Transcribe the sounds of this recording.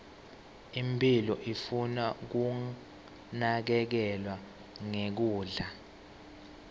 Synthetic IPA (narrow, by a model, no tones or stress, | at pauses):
impʰʼilɔʔifunak̬u | nak̬ɛk̬ɛlwa | ŋek̬uːɮa